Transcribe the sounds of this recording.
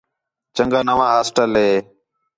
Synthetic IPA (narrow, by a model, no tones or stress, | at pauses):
t͡ʃəŋɡaːnəʋãːɦaːsʈəlɦeː